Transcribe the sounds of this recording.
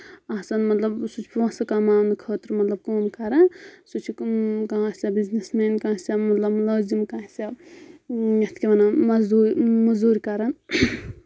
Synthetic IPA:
asɐnmɐt̪lɐbsut͡ʃʰpɐ̃sɐkamaːnikʰəːt̪ɾmɐt̪lɐb̚koːmkɐɾɐsut͡ʃʰikkãɦãssʲabiznesmeːnkãːsʲamɐt̪lɐbmloːzimkãːsa | jɐt̪ʰkʲeʋɐnamɐzd̪uːɾmɐzd̪uːɾkɐɾɐn

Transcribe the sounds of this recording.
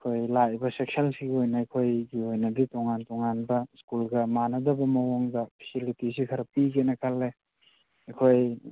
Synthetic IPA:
ekʰojlaʔbɐsek̚sɐlsiɡiojnɐɐjkʰojɡiojnɐbitoŋantoŋanbɐskulɡɐmanɐdɐbɐmɐwoŋdɐpʰi̥silitisikʰɐɾɐpiɡenɐkʰɐlːe | ɐkʰoj

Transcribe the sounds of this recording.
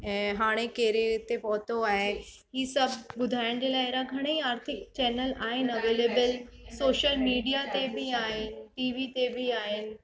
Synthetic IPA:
ɛ̃ːɦaːɽ̃ekeːɾet̪epɔːt̪oaːɦe | ɦiːsɐbʱɓʊd̪ʱaːɪɽ̃d͡ʑeːlaːɪɪɾaɡʱɐɽ̃eiaːɾt̪ʰɪkt͡ɕɛːnəlaːɦɪnɐʋeːleːbəl | soːʃəlmiːɖijat̪ebʱiaːɦɪnɪ̆ʈiːʋit̪ebʱiaːɦɪnɪ̆

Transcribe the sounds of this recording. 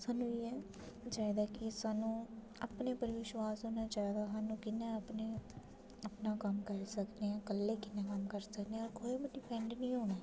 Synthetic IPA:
saːnũːiːɛː | d͡ʒaːd̪aːkɪsaːnũː | apneːpəɾʋɪʃwaːsoːnaːt͡ʃaːd̪aːsaːnũːkɪnːẽːəpneː | əpnaːkəmkəɾsəkneãːkəlːeːkɪnːẽːkəmkəɾsəkneɔːɾkʰoːibiɖɪpʰɛ̃ɳɖnĩːɦoːñaː

